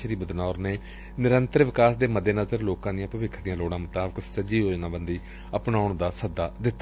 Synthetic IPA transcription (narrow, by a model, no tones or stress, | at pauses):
əɾiːbəd̪naːɔːɾneː | nɪɾənt̪əɾʋɪkaːsd̪eːməd̪ːeːnəzəɾloːkãːd̪ɪjãːpəʋɪkʰd̪ɪijãːloːɽãːmʊt̪aːbəksəd͡ʒiːɦoːd͡ʒnãːbənd̪iː | əpnaːʊɳd̪aːsəd̪ːaːd̪ɪt̪ːa